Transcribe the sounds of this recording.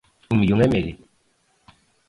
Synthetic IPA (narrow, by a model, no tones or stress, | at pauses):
umjuŋɛmeɾi